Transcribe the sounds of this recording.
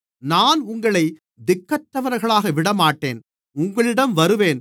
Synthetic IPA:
naːnʊŋɡɐɭɐɪ | d̪ɪkːɐʈːɐʋɐɾɣɐɭaːɣɐʋɪɽɐmaːʈːḛːn | ʊŋɡɐɭɪɽɐmʋɐɾɯʋeːn

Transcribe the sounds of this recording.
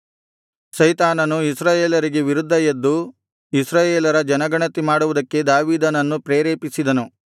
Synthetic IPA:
sɐjt̪aːnɐnuisɾaːjeːlɐɾiɡe̞ʋiɾud̪ʱːɐjɐd̪ːu | isɾaːjeːlɐɾɐd͡ʒɐnɐɡɐɳɐt̪imaːɽuʋud̪ɐkːe̞d̪aːʋiːd̪ɐnɐnːupɾeːɾeːpisid̪ɐnu

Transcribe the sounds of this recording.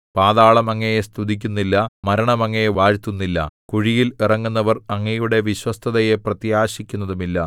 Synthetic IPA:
paːðaːɭɐmɐŋːɐjest̪ud̪ikʲːunːilːɐmɐɾɐɳɐmɐŋːɐjeʋaːɻt̪ːunːilːɐ̰kuɻijilirɐŋːunːɐʋɐrɐŋːɐjuɽe̞ʋiɕwɐst̪ʰɐðɐje̞prɐt̪jaːɕikʲːunːɐðumilːɐ

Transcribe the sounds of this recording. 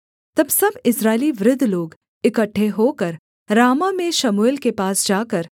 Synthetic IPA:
t̪ɐbsɐbɪsɾaːɪliʋɾɪd̪ʱːloːɡ | ɪkəʈʰːeɦoːkɐɾ | ɾaːmamẽʃɐmoːɪlkepaːsd͡ʒaːkəɾ

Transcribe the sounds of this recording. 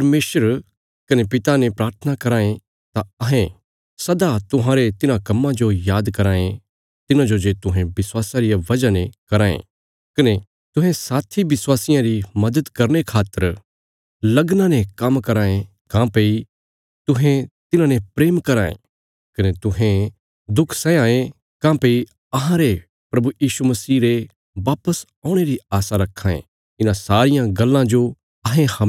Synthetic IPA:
pɐɾmeːʃəɾ | kɐnepɪt̪anepɾaːɾt̪ʰənakɐɾaːẽ | t̪aɐɦẽ | sɐd̪at̪ʊɦãːɾet̪ɪnãkɐmːãd͡ʒojaːd̪kɐɾaːẽ | t̪ɪnãd͡ʒod͡ʒet̪ʊɦẽbɪswaːsaɾɪjaʋɐd͡ʒanẽkɐɾaːḛ̃ | kɐne | t̪ʊ̃ɦɛ̃saːt̪ʰiʋɪswaːsɪjãɾimɐd̪ət̪kɐɾnekʰaːt̪ːəɾ | lɐɡnãnẽkɐmkɐɾãːẽ | kãpei | t̪ʊɦẽt̪ɪnãnẽpɾeːmkɐɾaːḛ̃ | kɐnet̪ʊɦẽ | d̪ʊkʰsɛ̃ãːẽ | kãːpei | ɐɦãɾe | pɾɐbujiːsumɐsiːɾe | ʋaːpəs | ãːʊɽ̃eɾiaːsaɾɐkʰːaːḛ̃ | ɪnãsaːɾɪjãɡɐlːãd͡ʒo | ɐɦẽhɐ

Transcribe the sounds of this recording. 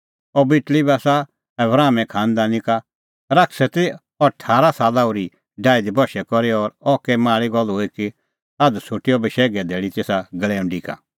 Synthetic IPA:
ɔbɪʈlibasa | ɛbɾaːmɛ̃kʰãːnd̪anɪka | ɾaksɛt̪i | ɔʈʰaːɾasaːlaʊɾi | ɖaːɪd̪ibɔʃɛkɔɾiɔːɾɔkɛmaːɭiɡɔlɦoːiki | ad̪sʰʊʈiɔbiʃɛːɡɛd̪ʱeːɭit̪eːsaɡɐlɛːũɖika̰

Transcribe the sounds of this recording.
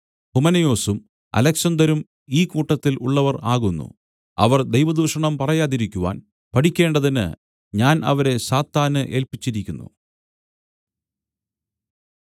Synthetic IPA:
humɐnɐjo̞ːsum | ɐ̰lɐksɐnd̪ɐɾum | iːkuːʈːɐt̪ːiluɭːɐʋɐraːɣunːṵ | ɐ̰ʋɐrd̪ejʋɐd̪uːʂɐɳɐmpɐrɐjaːðiɾikʲːuʋa̰ːn | pɐʈʰikʲːe̞ːɳɖɐðinɨ̰ | ɲaːnʔɐ̰ʋɐɾe̞saːt̪ːaːnɨʔe̞ːlpit͡ɕːiɾikʲːunːṵ

